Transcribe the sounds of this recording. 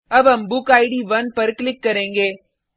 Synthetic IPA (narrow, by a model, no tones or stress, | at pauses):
ɐʋɐmbukɐɪɽiʋɐnpɐɾɯklɪkːɐɾeːŋɡeː